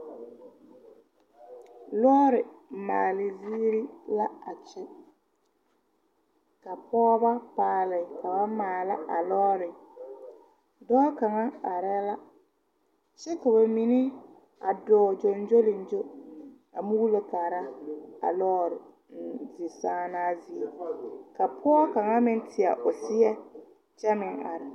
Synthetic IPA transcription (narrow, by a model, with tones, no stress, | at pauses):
lɔː˦ɾɪ˨maː˨lɪ˨ziː˦ɾi˦la˦a˨t͡ʃɪ˦ | ka˨pɔː˦ba˦paː˨lɪ˨ka˨ba˦maː˨la˦ʔa˨lɔː˦ɾɪ˨ | dɔː˦ka˨ŋa˦a˨ɾɛ˦la˦ | t͡ʃɛ˦ka˨ba˨mi˨nɪ˦ | a˨dɔː˨˦˨d͡ʒo˨n˦d͡ʒo˦lɪ˨n˨d͡ʒo˦ | a˨mu˦lo˦ka˨ɾa˦a̰˨lɔː˦˨ɾ | zɪ˨saː˦naː˦zi˦e˨ka˨pʰɔː˦ka˨ŋa˦mɪ˦n˦tʰɪ˨a̰˨ʔʊ˨sɪ˦ɛ˦ | t͡ʃɛ˦mɪ˨ŋa̰˨ɾɛ˨